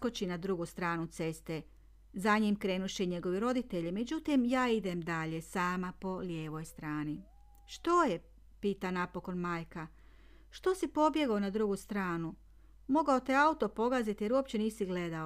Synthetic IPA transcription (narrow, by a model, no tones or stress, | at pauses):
ko̞t͡ɕinad̪ɾuɡust̪ɾaːnut̪se̞st̪e | zaɲimkɾe̞ːnuʃiɲe̞ɡo̞ʋeɾo̞d̪it̪e̞ʎeme̞d͡ʑut̪imjaːid̪emd̪aʎe̞saːmapo̞lje̞ːʋo̞jst̪ɾaːni | ʃt̪o̞je | piːt̪anapo̞ko̞nmaːjka | ʃt̪o̞sipo̞bje̞ɡonad̪ɾuɡust̪ɾaːnu | mo̞ɡaot̪eaut̪o̞po̞ɡazit̪ije̞ɾuo̞pt͡ɕeniːsiɡle̞d̪ao